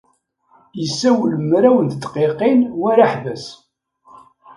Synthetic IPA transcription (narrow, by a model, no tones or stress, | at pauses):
jəsːæwələmɾæwənd̪t̪ːqeqinwæɾaħvæs